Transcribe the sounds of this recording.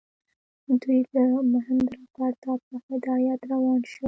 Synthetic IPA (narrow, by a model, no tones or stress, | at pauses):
d̪ujd̪əmʊɦɪmd̪ɾɑpɑɾt̪ɑpəhɪd̪ɑjat̪ɾawɑnʃu